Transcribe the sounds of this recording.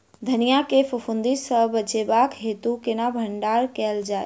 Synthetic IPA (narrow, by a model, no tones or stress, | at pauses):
d̪ʱɐnijakefʊfʊnd̪isəbəd͡ʒebaːkɦeːt̪ukɪnabʱəɳɖaːɾkɛld͡ʒaːḛ